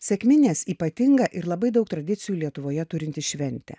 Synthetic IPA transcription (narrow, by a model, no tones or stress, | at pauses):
sʲɛkmʲɪnʲeːsiːpɐt̪ʲɪŋɡɐʔɪɾlˠɐbɐɪd̪ɐʊk̚t̪ɾɐd̪ʲɪt̪sʲɪjulʲiɛt̪ʊʋoːjɛt̪ʊɾʲɪnʲt̪ʲɪsʃʲʋʲɛnʲt̪ʲɛ̰